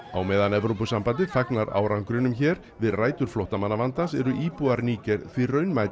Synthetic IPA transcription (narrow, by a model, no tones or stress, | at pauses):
awmɛːðanɛvɾowpʏsampant̪ɪθaknaɾa̰ːwɾaŋkɾʏnʏmçɛːɾ | vɪðraːjt̪ʏɾ̥flowht̪amanːavant̪asɛɾʏʔiːpuaɾniːcɛɾθvirœːɥnmajt̪